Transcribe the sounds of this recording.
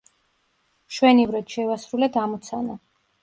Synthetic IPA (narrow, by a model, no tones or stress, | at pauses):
ʃwɛnivɾɛt̪ʃɛvasɾulɛd̪amɔt̪sʰana